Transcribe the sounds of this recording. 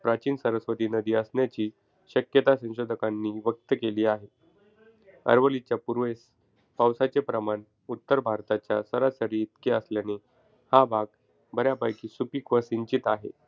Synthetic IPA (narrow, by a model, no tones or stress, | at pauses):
pɾat͡ɕiːnsəɾəsʋət̪iːnəd̪iːəsnjat͡ɕiː | ɕəkjət̪asə̃w̃ɕod̪ʱəkanːiːʋək̚t̪əkeliːaɦe | ə̰ɾʋəlit͡ɕjapuɾʋes | pawsat͡sepɾəman | ut̪ːəɾbʱaɾt̪at͡ɕjasəɾasəɾiːt̪keəsljane | habʱaɡ | bʱəɾjapajkiːsupikʋəsiɲt͡ɕit̪aɦḛ